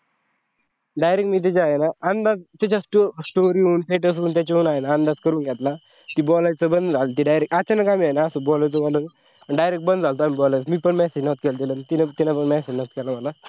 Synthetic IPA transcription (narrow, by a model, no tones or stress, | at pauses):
ɖajɾekʈmiːt̪̬it͡ɕajenaand̪ad͡zt̪at͡ɕasʈosʈoɾiuːnʈeʈ̬əs̬uːnt̪̬at͡ɕauːnajenaːnd̪ad͡zkəɾuːnɡɛt̪la | t̪ibɔlajt͡səbənd̪d͡zʱalt̪iɖajɾek̚ʈat͡ɕanakamiajnaəsəbɔlət͡sobɔlə | pəɳɖajɾekʈ̚bənd̪d͡zalt̪oamibɔlajt͡smiːpəɳmɛsed͡ʑnɔt̪̚kɛld̪iləmit̪inat̪inapəɳmɛsed͡ʑnɔt̪kɛlaməla